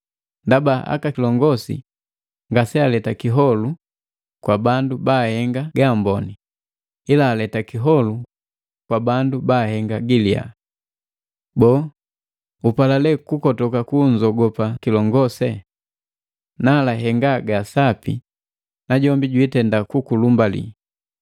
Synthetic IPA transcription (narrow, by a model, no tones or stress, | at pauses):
ndabaʔa̰kakilɔŋɡɔsḭ | ŋɡasɛalɛtakiɦɔlu | kwabandubaːhɛŋɡaɡambɔni | ilaːlɛtakiɦɔlu | kwabandubaːhɛŋɡaɡilia̰ | bɔː | upalalɛkukɔtɔkakuɲd͡ʒɔɡɔpakilɔŋɡɔsɛ | naːlaɦɛŋɡaɡasapḭ | naɟɔmbiɟwitɛndakukulumbalḭ